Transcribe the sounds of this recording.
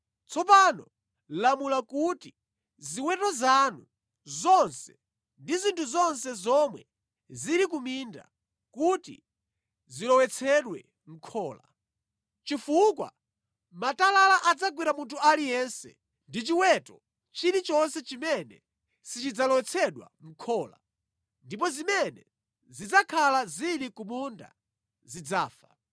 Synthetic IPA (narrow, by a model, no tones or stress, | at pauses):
t͡sʰɔpanɔ | lamulakuti | ziwɛtɔzanu | zɔnsɛ | ndizintʰuzɔnsɛzɔmwɛ | ziɾik̬uminda̰ | kutḭ | zilɔwɛt͡sʰɛɗwɛ | ŋ̩kʰɔːla̰ | t͡ʃifukwa̰ | matalalaʔad͡zaɡwiɾamuntʰualijɛnsɛ̰ | ndit͡ʃiwɛtɔ | t͡ʃiɾit͡ʃɔnsɛt͡ʃimɛnɛ | sit͡ʃid͡zalɔwɛt͡sʰɛɗwa̰m̩kʰɔːla̰ | ndip̬ɔzimɛnɛ | zid͡zakʰalaziɾikumunda̰ | zid͡zaːfa